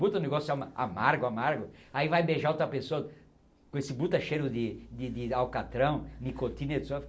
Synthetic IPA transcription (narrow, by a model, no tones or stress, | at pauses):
but̪ɐʊ̃neɡɔsʊsamɐa̰maɾɡʊamaɾɡʊaivajbeʒaɐt̪eɐpesoɐ | kõesɪbut̪ɐʃejɾʊd̪ɪd̪ɪd̪ɪawkat̪ɾɐ̃w̃nikot̪ĩned̪so